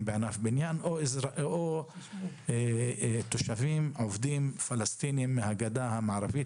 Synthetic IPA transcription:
beanafbinjanʔoizo | t̪oʃavimʕovd̪imfalast̪inimːehaɡad̪ahamaʕɾavit̪

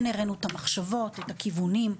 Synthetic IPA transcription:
neʁenuet̪amaχʃavo̞t̪etakivunim

